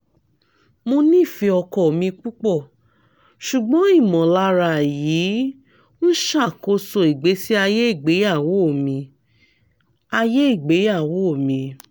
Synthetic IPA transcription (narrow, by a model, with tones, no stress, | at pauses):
mo˧nĩ˦˨fi˧ɔ˧kɔ˨o˨mĩ˧k͡pu˦k͡pɔ˦˨ | ʃu˨ɡ͡bɔ̃˨˦i˦˨mɔ̃˨la˧˦ɾa˧˨jiː˨˦ | n̩˦ʃa˦˨ko˧so˧i˨ɡ͡be˨˦si˦a˧je˦i˦˨ɡ͡be˨˦ja˦˨wo˨˦˨mĩ˧ | a˧je˦i˦˨ɡ͡be˨˦ja˦˨wo˨˦o˦˨mĩ˧